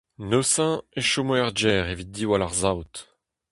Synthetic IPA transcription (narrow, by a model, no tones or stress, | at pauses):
nøsɛ̃eʃomɛʁd͡ʒɛːʁevit̪̚d̪iwalaʁzawt̪